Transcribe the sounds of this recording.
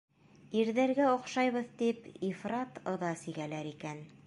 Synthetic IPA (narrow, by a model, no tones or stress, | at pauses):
iɾðæɾɡæŏqʃɑjβɤðt̪ipifrɑt̪ŏðɑsiɣælæɾikæn